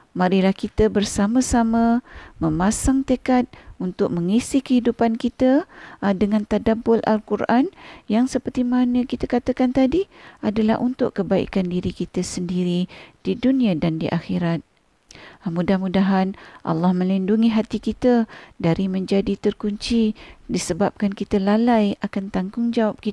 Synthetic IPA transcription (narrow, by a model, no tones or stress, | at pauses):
maɾiɾahkit̪əbərsaməsamə̃mə̃masaŋt̪ekat̪̚unt̪ʊk̚məŋisikəhidupankit̪ədəŋant̪adabʊlʔa̰lkurʔanjaŋsəpərt̪imanə̃kit̪akat̪akant̪adiadala̰hʔunt̪ʊ̰ʔkːəbaḭkandiɾikit̪əsəndiɾid̥idunĩadandiʔaxiɾat̪̚ | mudahmudaɦanʔɑ̰lːɑhmə̃linduŋiɦat̪ikit̪ədaɾimə̃ɲd͡ʒadit̪ərkuɲt͡ʃidisəbap̚kankit̪əlalajakant̪aŋɡʊŋd͡ʒawap̚ki